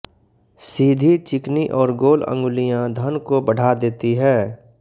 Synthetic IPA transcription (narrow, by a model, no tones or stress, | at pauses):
siːd̪ʱit͡ʃɪkniʔɔːɾɡoːlə̰̃ŋɡʊlijãd̪ʱənkobəɽ̤ʱad̪eːt̪iɦɛː